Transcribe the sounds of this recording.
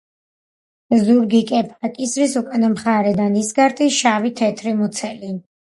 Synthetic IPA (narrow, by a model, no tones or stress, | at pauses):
zuɾɡikʼɛpʰakʼisɾisukʼanamχaɾɛd̪anisɡaɾt̪ʰʼiʃavit̪ʰɛt̪ʰɾimut̪sʰɛli